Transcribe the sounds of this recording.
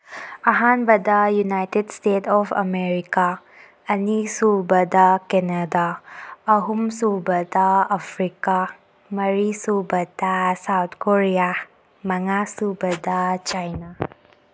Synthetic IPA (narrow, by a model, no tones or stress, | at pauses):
ɐɦanbɐd̪ɐjunajtedstetʰɔpʰɐ̰meɾika | ɐnisubɐdakenadaː | ɦumsubɐd̪aːpʰɾika | mɐɾisubɐd̥asawt̪ʰkoɾija | mɐŋasubɐdat͡ʃajna